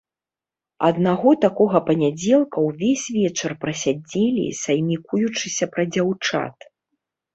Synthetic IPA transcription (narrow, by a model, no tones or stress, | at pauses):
ɐd̪naɣɔt̪akɔɣɐpɐnʲad͡zʲɛlˠkɐwvʲesʲvʲɛt͡ʂɐrpɾɐsʲad͡zʲelʲḭsɐjmʲikujut͡ʂɨsʲɐpɾɐd͡zʲawt͡ʂa̰t̪